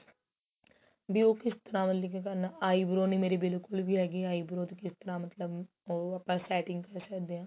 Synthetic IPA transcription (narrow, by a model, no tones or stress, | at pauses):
bʱiːoːkɪst̪əɾãːmət̪likekəɾnaʔaːiːbɾoːnĩːmeːɾebɪlkʊlbʱiːɦɛːɡeːaːiːbɾoːt̪ekɪst̪əɾãːmət̪ləb | oːapãːsɛːʈɪ̃ŋɡkəɾsəkd̪eːãː